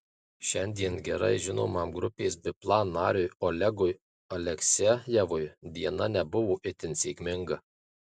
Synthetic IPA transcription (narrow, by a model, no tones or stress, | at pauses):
ʃʲɛnʲd̪ʲiɛnɡʲɛɾɐ̰ɪʒʲɪno̰ːmɑːmɡɾʊpʲeːsbʲɪplˠɑːnːɑːɾʲʊjolʲɛɡʊj | ɐlʲɛksʲɛjɛʋʊjd̪ʲiɛnɐnʲɛbʊʋoːʔɪt̪ʲɪnʲsʲeːkʲmʲɪŋɡɐ